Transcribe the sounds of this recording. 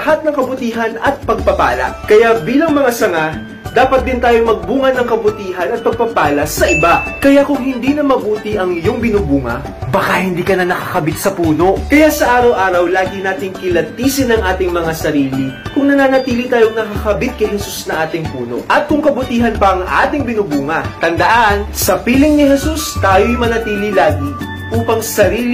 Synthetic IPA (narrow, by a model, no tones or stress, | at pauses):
ɐhat̪̚nɐŋkɐbʊt̪iːɦɐnɐt̪̚pɐɡ̚pɐpa̰ːlɐ̰kɐjabiːlɐŋmɐŋasɐŋa | d̪aːpɐt̪̚d̪ɪnt̪aːjomɐɡ̚buːŋɐnɐŋkɐbʊt̪iːɦɐnɐt̪̚pɐɡ̚pɐɡ̚paːlɐsɐʔɪbakɐjakʊŋɦɪnd̪iːnɐmɐbuːt̪ɪiʔɐŋɪjoŋbɪnubuːŋɐ̰ | bɐkahɪnd̪iːkɐnɐnɐkḁkɐbɪt̪sɐpuːno̞ʔkɐjasɐʔaːɾɐwʔaːɾɐwlaːɡɪnaːt̪ɪŋkɪlɐt̪iːsɪnɐŋʔaːt̪ɪŋmɐŋasɐɾiːlikʊŋnɐnaːnɐt̪iːlit̪aːjoŋnɐkɐkɐbɪt̪̚kɐjɦɛsusnɐŋʔaːt̪ɪŋpuːno̞̰ʔʔɐt̪̚kʊŋkɐbʊt̪iːɦɐnpɐʔɐŋʔa̰ːt̪ɪŋbɪnubuːŋɐt̪ɐnd̪ɐʔansɐpiːlɪŋnɪhɛsust̪aːjojmɐnɐt̪iːlilaːɡi | ʔuːpɐŋsɐɾiː